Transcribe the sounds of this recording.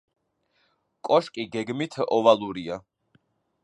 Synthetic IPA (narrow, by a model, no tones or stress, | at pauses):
kʼɔʃkʼiɡɛɡmit̪ʰɔvaluɾia